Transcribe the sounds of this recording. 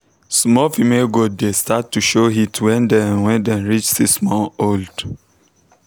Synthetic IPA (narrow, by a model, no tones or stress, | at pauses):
smɔfimeɡoddestatːuʃoɦitʰwɛ̃ndɛ̃nwɛ̃ndɛ̃nɹit͡ʃsismɔ̃nold̥